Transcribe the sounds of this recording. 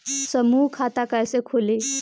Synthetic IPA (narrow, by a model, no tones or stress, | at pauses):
səmukʰat̪akajsekʰole